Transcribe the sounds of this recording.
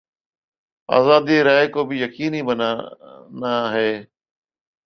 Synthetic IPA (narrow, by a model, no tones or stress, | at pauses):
a̰ːzaːd̪ieɾaːɪkoːbɪjɐkiːniːbənanaːɦeː